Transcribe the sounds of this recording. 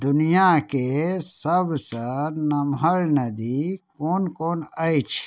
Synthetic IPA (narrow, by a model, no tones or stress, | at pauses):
d̪unijaːkesɐbsanɐmɦɐɭnɐd̪ikoːnkoːnɐit͡ɕʰ